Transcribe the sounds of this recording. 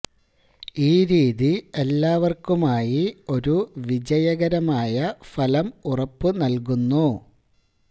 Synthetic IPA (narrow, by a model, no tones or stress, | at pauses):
iːɾiːðie̞lːaːʋɐrkumaːjio̞ɾuʋid͡ʑɐjɐɣɐɾɐmaːjɐfɐlɐmurɐpːɨnɐlkunːu